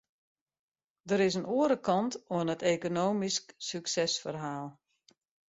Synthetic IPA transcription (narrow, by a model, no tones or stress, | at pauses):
dəɾɪsənuəɾəkɑntoənəteːkonoːmisksyksɛsfərɦaːlˠ